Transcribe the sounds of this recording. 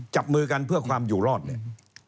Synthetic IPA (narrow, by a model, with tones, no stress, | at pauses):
t͡ɕa˨˩p̚mɯː˧ka˧npʰɯ˥˩əkʰwaː˧mjuː˨˩ɾɔː˥˩t̪̚ni˧˥˩